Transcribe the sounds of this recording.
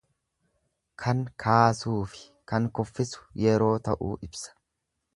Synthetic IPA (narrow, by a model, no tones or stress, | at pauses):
kʰɐŋkʰaːsuːfɪ̥ | kɐŋkɔfːɪsʊ̥jɛɾo̞ːt̪ɐʔṵːʔɪbsɐ̥